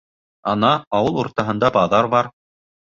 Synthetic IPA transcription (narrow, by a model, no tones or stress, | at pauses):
ɑnɑɑwɤlˠuɾt̪ɑɦɤ̆nd̪ɑbɑðɑɾbɑɾ